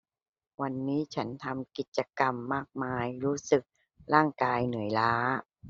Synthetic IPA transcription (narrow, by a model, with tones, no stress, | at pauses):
wa˧nːiː˦˥t͡ɕʰa˦˥nt̪ʰa˧mki˨˩t̪̚t͡ɕa˧ka˧mːaː˥˩k̚maː˧jɾuː˦˥sɯ˨˩k̚ | ɾaː˥˩ŋkaː˧jnɯ˩˦əjlaː˦˥